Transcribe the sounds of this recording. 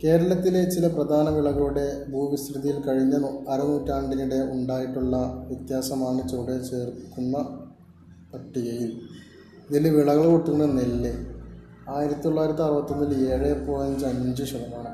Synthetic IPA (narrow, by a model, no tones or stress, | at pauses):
ke̞ːɾɐɭɐt̪ːile̞t͡ɕilɐprɐd̪ʱaːnɐʋiɭɐɣɐɭuɽe̞bʱuːʋist̪rɨðijilkɐɻiɲːɐɐɾunuːtːaːɳɖinuɽe̞uɳɖaːjiʈːuɭːɐʋjɐt̪jaːsɐmaːɳɨt͡ɕːoːɽet͡ɕe̞ːrkkːunːɐ | pɐʈːiɣɐjil | iðilʋiɭɐɣɐɭkoʈːuunːɐnelːe | aːjiɾɐt̪ːit̪oɭːaːjiɾɐt̪ːiɐrʋɐt̪ːumːileːɻepːoːjɐnd͡ʑɐniɲd͡ʑuɕɐðɐmaːɳɨ